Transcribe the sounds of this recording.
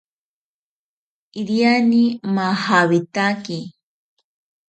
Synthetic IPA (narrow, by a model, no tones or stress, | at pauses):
iɾjanimahaβit̪aki